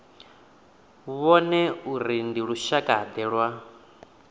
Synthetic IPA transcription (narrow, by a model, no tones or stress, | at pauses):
βɔnɛuɾindiɺuʃakʼaad̪ɛːɺwa